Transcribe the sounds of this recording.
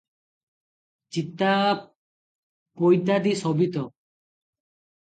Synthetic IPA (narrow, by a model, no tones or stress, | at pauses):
t͡ʃit̪ːa | pojt̪ad̪isɔbit̪ɔ